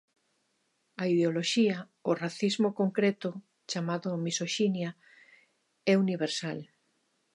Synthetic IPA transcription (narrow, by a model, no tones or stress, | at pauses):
aiðeoloʃiɐ | oraθizmokoŋkɾɛt̪ʊ | t͡ʃamaðʊmisoʃinja | ɛuniβeɾsal